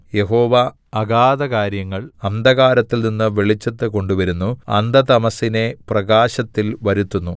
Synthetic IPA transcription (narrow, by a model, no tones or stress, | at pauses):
je̞ɦo̞ːʋɐ | ɐɡaːd̪ɐkaːɾjɐŋːɐɭɐnd̪ɐɣaːɾɐt̪ːilninːɨʋeɭit͡ɕːɐt̪ːɨko̞ɳɖuʋɐɾunːuɐ̰nd̪ɐt̪ɐmɐsine̞prɐɡaːɕɐt̪ːilʋɐɾut̪ːunːu